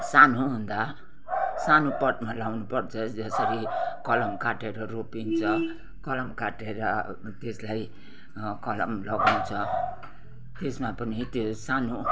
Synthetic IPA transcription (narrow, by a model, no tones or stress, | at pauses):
sanoɦund̪a | sanopʌʈmalawnupʌrt͡sʰʌd͡zʌsʌɾikʌlʌmkaʈeɾʌropint͡sʰʌ | kʌlʌmkaʈeɾʌ | t̪eslaj | kʌlʌmlʌɡawnt͡sʰʌ | t̪esmapʌnit̪josanu